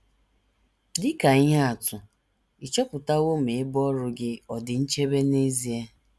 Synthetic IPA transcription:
dɪ˦ka˨i˦ɦe˦a˨tʊ˨ | ɪ˨t͡ʃɔ˦pʊ˨ta˦ɣo˦m̩e˨ɪ˦bɔ˦ɾʊ˦ɡɪ˦ɔ˨dɪ˨n̩˦t͡ʃe˦be˦ne˦zi˦e˦

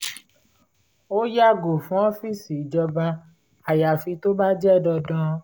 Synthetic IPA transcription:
o˦ja˦ɡo˨fũ˨˦ɔ˦fi˦˨si˨d͡ʒɔ˧ba˧ | a˨ja˨fi˧to˦ba˦d͡ʒɛ˦˨dɔ˧dɔ̃˧˦

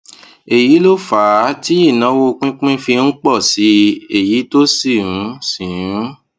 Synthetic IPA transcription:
e˨ji˨˦lo˦fa˨˦ti˦i˦˨nã˨˦wo˦˧k͡pĩ˦k͡pĩ˦fi˧n̩˦k͡pɔ˦˨si˨˦e˨ji˨˦to˦si˦˨ɾũ˨˦sĩ˨ũ˦

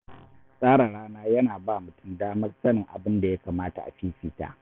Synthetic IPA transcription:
sʼaː˦ɽa˨ɽaː˦naː˦jɐ˦naː˨baː˦˨mʊ˨tʊ˦mdaː˦mɐ˦rsɐ˦nɪ˨ŋʔa̰˨bɪ˦nda˨ja˦kaː˨maː˦ta̰˨ʔa̰˨ɸiː˦ɸiː˨ta̰ː˦ʔ

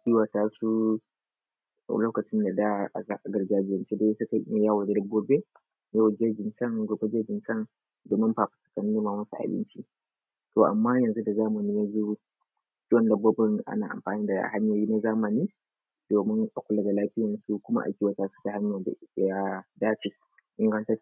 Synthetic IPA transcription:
kʲi˦wa˨taː˦su˦˨ | loː˦kɐ˨t͡ʃɪ˦nda˨da˦ʔa˨za˦ʔa˨ɡɐ˨ɾɡaː˦d͡ʒɪ˦jɛ˨nt͡ʃe˦da˦sʊ˦ka˨˦m˦jaː˦wɐ˨ddɡːoː˦be˦ | ja˦wd͡ʒe˦d͡ʒɪ˨nt͡ʃɐ˦ŋɡʷoː˨be˦d͡ʒe˦d͡ʒɪ˨nt͡ʃɐ˦ŋ | doː˨mɪ˦mɸaː˨ɸḁ˨tɐ̥˨kɐ˨n˦e˦ma˨mɐ˦sṵ˨ʔa̰˨bɪ̰˦nt͡ʃi˦ | to˨ʔa˨mːaː˦jɐ˨nzu˦da˨zaː˦mɐ˨niː˦ja˦zu˦ | t͡ʃʲi˦wɔ˦˨ndɐ˨bo˦bɐ˦ŋʔa̰˦naː˨ʔa̰˨mɸaː˨niː˦da˨a̰˨ha˦ɲjoː˨jiː˦na˦zaː˦mɐ˨niː˦ | d̥oː˨mɪ˦ŋʔa˨kʷʊ˦la˨ɡa˨laː˦ɸɪ˦jɐ˨nsu˦kʷʊ˦ma̰˦ʔa̰˨kʲi˦wa˨taː˦sʊ̥˦ka˨ɦa˦ɲja˨da˦daː˦t͡ʃe˨ | ʔɪ˦ŋɾɐ˦ntɐ˦

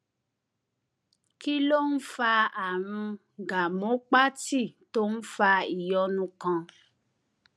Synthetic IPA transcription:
ki˦lo˦n̩˦fa˧a˨ɾ̃ũ˧ | ɡa˨mõ˨˦k͡pa˦ti˦˨to˦n̩˦fa˧i˨jɔ˧nũ˧kã˧

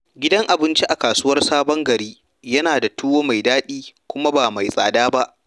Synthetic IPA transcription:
ɡʲɪ˦dɐ˦ŋʔa˨bɪ˦nt͡ʃi˦ʔa˨kaː˨suː˦wɐ˦rsaː˦bɔ˦ŋɡɐ˨ɾiː˦ | jɐ˦naː˨da˨tuː˦woː˦ma˨jdaː˦ɗiː˦kʷʊ˦ma˦baː˨ma˨jsʼaː˨daː˦ba˦ʔ

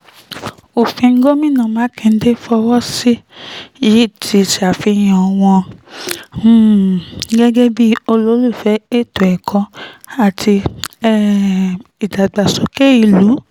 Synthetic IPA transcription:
o˨fĩ˧ŋ̩˦ɡo˦mĩ˦˨nã˦˨mãː˨˦kɛ̃˧˦de˦fɔ˧wɔ˦si˦ji˨˦˨tʰi˧ti˧a˨fi˧j̃ɔ˨˧w̃ɔ̃˧˦ | ɡɛ˦ɡɛ˦bi˦o˧lo˨˦lu˦˨fɛ˨˦e˦˨to˨ɛ˨kʰɔ̃˧a˨tʰi˧ɛ˦ | i˨da˨ɡ͡ba˨so˨˦ke˦i˦˨lu˨˦

